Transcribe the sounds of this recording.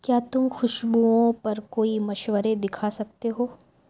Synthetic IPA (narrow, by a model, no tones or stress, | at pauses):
kjaːt̪ʊmxʊʃbuõpɐɾkoːimɐʃwəɾed̪ɪkʰasɐk̚t̪eɦoː